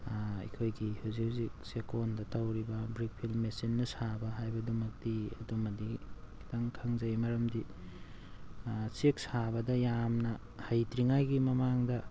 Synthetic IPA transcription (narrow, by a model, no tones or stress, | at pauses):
ɐ̰kʰojɡihuzik̚huzik̚sekondɐtɐwɾibɐbɾik̚pʰilmesinːɐsabɐɦajbɐdumɐk̚tiɐ̰dumɐdikʰi̥tʰaŋkʰɐŋzɐjmɐɾɐmdi | sek̚sabɐdɐjamnɐ | hɐjtɾiŋajɡimɐmaŋdɐ